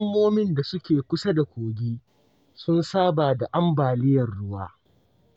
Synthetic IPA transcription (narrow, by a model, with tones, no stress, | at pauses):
mːoː˦mɪ˦nda˨sʊ˦kʲeː˨kʷʊ˦sɐ˦da˨kʷoː˨ɡʲiː˦ | sʊ˦nsaː˦baː˨da˨ʔa˦mbaː˨lɪ˦jɐ˨rɽʊ˦waː˦